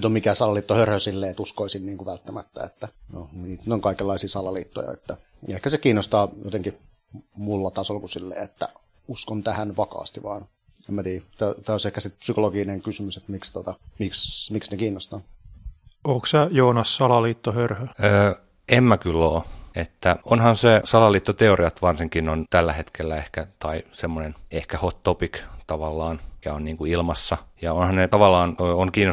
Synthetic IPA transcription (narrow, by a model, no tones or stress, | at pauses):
yt̪omikæsɑlɑliːt̪ːohørhøsilːeːet̪uskoisinniːŋkuʋælt̪ːæmæ̰t̪ːæ̰ḛt̪ːæno̰niːt̪noŋkɑikelːɑisiːsɑlɑliːt̪ːo̰jɑ̰ḛt̪ːæ | ehkæsekiːnːost̪ɑːjot̪eŋki | mulːɑt̪ɑsolkusilːḛːet̪ːæ̰ | uskont̪æhænʋɑkɑ̰ːst̪iʋɑːn | emmæt̪iːt̪æt̪æːosehkæsit̪̚psykoloɡineŋkysymyset̪mikst̪ot̪ɑmiksmiksnekiːnːost̪ɑn | oːksæjoːnɑsːɑlɑliːt̪ːohørhøøː | emːækylːoːet̪ːæonhɑnsesɑlɑliːt̪ːot̪eoriɑt̪ʋɑrsiŋkinont̪ælːæhet̪kʰelːæehkæt̪ɑisemːonenehkæhot̪ːopikt̪ɑʋɑlːɑːnkæonniːŋkuilmɑsːɑjɑonhɑnnet̪ɑʋɑlːɑːnøːoŋkiːnːo